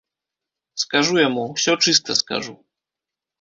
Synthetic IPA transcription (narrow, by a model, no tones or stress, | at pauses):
skaʐujɛmuɕɛɔt͡ʂɨst̪ɛska̰ʐu